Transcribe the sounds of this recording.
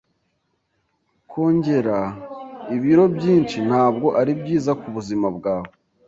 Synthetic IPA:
kʰo̞ːɲɟe̞ɾa | iβiɾo̞bɟiːnt͡ʃin̥haːb̚ɡo̞ʔaɾibɟiːzakuβuzimabɡaːβo

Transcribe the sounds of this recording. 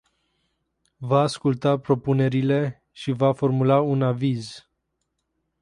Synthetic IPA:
vaːskult̪apɾo̞pune̞ɾile̞ | ʃivafo̞rmulaunaviz

